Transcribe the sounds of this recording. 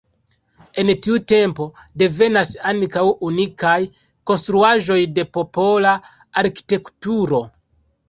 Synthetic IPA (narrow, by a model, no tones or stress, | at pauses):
e̞ntiute̞mpo̞de̞ve̞nasaŋkawunikaj | ko̞nstɾuaʒo̞jde̞po̞po̞la | aɾki̥te̞ktuɾo̞